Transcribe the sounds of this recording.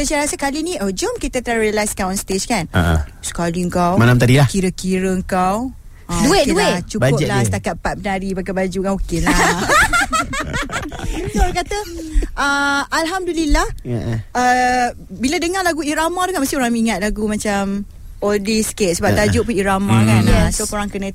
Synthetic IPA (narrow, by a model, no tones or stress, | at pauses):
səsajɾasakalinĩʔod͡ʒomkit̪at̪ɾaɾialajskanɔnst̪ed͡ʒkana̰sə̥kaliəŋkawmalamt̪̬adilakiɾəkiɾəəŋkaw | lueuet͡ʃuaʊlasət̪akat̪̚pat̪̚pənaɾibakabad͡ʒukanokela | oɾakat̪əʔəalɦamdulilahə | biladəŋalaɡuiɾamad̪ukanmast̪ioɾaŋmiŋat̪̚laɡumat͡ʃam | ɔldisket̚səbap̚t̪ad͡ʒʊʔpuniɾamãkansokoɾaŋkənə̃